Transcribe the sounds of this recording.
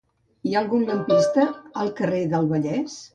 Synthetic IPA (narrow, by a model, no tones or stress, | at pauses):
iaəlˠɣunləmpist̪əəlˠkəreðəlˠβəʎɛs